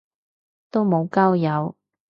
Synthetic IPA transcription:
t̪o˥wmo˨˧wkaː˥wjɐ˨˧w

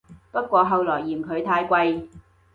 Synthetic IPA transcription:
pɐ˥t̚kʷɔː˧ɦɐ˨˧wlɔː˨˩jːiː˨˩mkʰɵ˨˧ɥt̪ʰaː˧jkʷɐ˧j

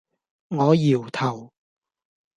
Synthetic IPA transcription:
ŋɔː˨˧jiː˨˩wt̪ʰɐ˨˩w

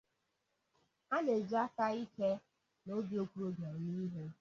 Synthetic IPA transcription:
a˦ne˨d͡ʒa˦ka˦i˦ke˦ | no˦bi˦o˦kʷu˦ɾo˦ɡa˨ni˦ɦe˦

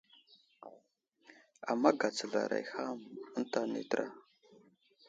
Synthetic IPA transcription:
a˨mːa˦ɡa˨t͡sə˨ɮa̰˨ɾa̰˨jxa˦mə˦nta˦nḭ˨tə˦ɾa̰˦

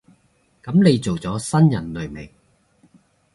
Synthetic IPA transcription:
kɐ˨˥mne˨˧jt͡so˨wt͡sɔː˨˥sɐ˥njɐ˨˩nlɵ˨˩ɥme˨˩ŋ

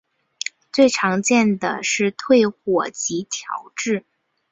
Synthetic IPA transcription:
t͡swe˥˩ɪʈ͡ʂʰɑ˧˥ŋt͡ɕjɛ˥˩nd̪ə̰˩ʂɻ̩˥˧t̪ʰwe˥˧ɪxwɔ˨˩t͡ɕi˧˥t̪ʰjɑ̰˧˥ʊʈ͡ʂɻ̩˥˩

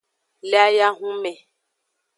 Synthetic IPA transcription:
lɛ˦a˦ja˦ɦũ˦mɛ̃˨

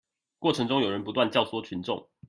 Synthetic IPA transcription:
kwɔ˥˩ʈ͡ʂʰɤ˧˥ŋʈ͡ʂʊ˥ŋjo˨˩ʊɻə˨˦npu˧˦t̪wa˥˨nt͡ɕjɑ˥˩ʊswɔ˥t͡ɕʰy˧˦nʈ͡ʂʊ̰˥˨ŋ

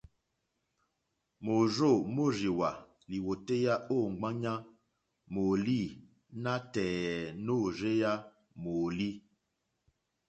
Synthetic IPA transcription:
mo˨zo˦˨mo˦ɾi˨wa˨ | li˨wo˨te˦ja˦ʔo˦˨ɡ͡ba˦ɲa˦ | mo˨li˦˨ | na˦tɛː˨no˦˨ɾe˦ja˦ | mo˨li˦

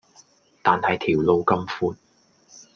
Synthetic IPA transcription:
t̪aː˨nhɐ˨jt̪ʰiː˨˩wlo˧wkɐ˥mfuː˧t̚

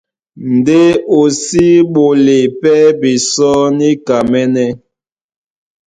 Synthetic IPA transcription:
n̩˨de˦o˨si˦ɓo˨le˨pɛ˦bi˨sɔ˦ni˦ka˨mɛ˦nɛ˦

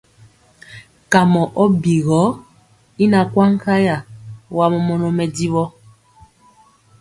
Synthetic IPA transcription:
ka˨mɔ˨ʔɔ˦bi˨ɣɔ˨˦ | i˦na˨kwa˦ŋ̩˦ka˦ja˨wa˦mɔ˨mɔ˨nɔ˨mɛ˨di˦βɔ˦

